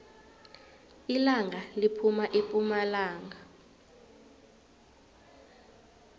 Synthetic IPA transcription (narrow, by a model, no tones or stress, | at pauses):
ilaŋʱalipʰumaʔepʼumalaːŋʱa